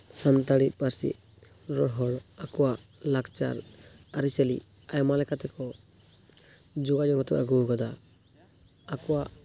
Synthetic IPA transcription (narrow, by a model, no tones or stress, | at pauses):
samt̪aɽit̪̚paɾsḭ | ɾɔɽɦɔɽakuwalakt͡ʃa̰ɾaɾisɛlḭ | ajmalɛkat̪ɛkɔ | d͡ʒuɡad͡ʒɔkɔt̪ɔka̰ɡuɡad̪a | kuwaʔ